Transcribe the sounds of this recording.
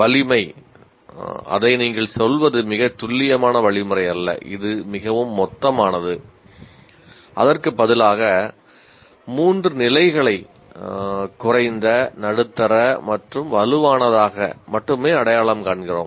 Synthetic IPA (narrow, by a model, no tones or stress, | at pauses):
ʋɐɭɪmɐɪ | ɐ̰ðɐɪniːŋɡɐɭsɔlʋɐðɯmɪɣɐt̪ːʊɭːɪjɐmaːnɐʋɐɭɪmɯrɐɪɐlːɐ̰ʔɪ̰ðɯmɪɣɐʋɯmːɔt̪ːɐmaːnɐðɯ | ʔɐ̰ðɐrkɯpːɐðɪlaːɣɐ | muːndrɯnɪlɐɪɣɐɭɐɪ | kʊrɐɪnd̪ɐnɐɽɯt̪ːɐɾɐmɐʈrɯmʋɐlɯʋaːnɐðaːɣɐ̰mɐʈːɯmeːɐɽɐjaːɭɐmkaːɳɣɪro̰ːm